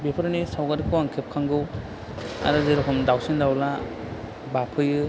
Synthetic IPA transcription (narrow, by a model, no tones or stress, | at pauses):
bepʰaɾɯnisawɡaɾikʰuwaŋkʰep̚kʰaŋɡɯw | a̰ɾɯzeɾɦʰɔndawsendawla | bapʰɯjɯ